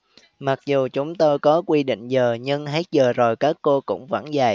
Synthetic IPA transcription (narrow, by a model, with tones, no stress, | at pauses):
ma˨˩k̚zu˨˩t͡ɕʊ˨˦ŋ͡mt̪o˧jkɔ˨˦kwi˧ɗḭ˧˨ŋ̟zəː˨˩ɲɨ˧ŋɦe˦˥t̚zəː˨˩zo˨˩jkaː˦˥kːo˧kʊ̰˧˥ŋ͡mva̰˧˩nza˨˩j